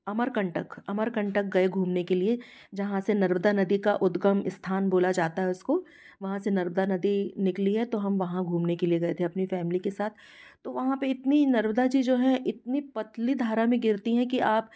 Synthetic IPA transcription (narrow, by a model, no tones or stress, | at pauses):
ɐməɾkɐ̃ɳʈəkɐməɾkɐ̃ɳʈək̚ɡɐeɡʱuːmnekelie | d͡ʒɐɦãsenɐɾmd̪anɐd̪ikaʔʊd̪ɡəmɪst̪ʰaːnboːlad͡ʒaːt̪aɦɛʊsko | ʋɐɦãsenɐɾməd̪anɐd̪inɪkliɦɛt̪oɦɐmʋɐɦãɡʱũːmnekelieɡɐet̪ʰeɐpnifɛːmɪlikesaːt̪ʰ | t̪ːoʋɐɦãpeɪt̪ninɐɾməd̪ad͡ʒid͡ʒoːɦɛ̃ʔɪt̪̚nipɐt̪lid̪ʱaːɾamẽɡɪɾt̪iɦɛ̃kiʔaːp